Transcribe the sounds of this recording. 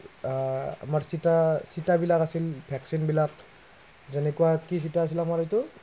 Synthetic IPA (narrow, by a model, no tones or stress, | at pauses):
a̰maɹsitasitabilakasilpʰɛksinbilak̚ | zɛnɛkuwakis̬itaːs̬ilamaɹajtʊ